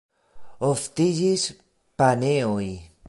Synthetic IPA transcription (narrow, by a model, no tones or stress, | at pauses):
oft̪iʒis | paneoj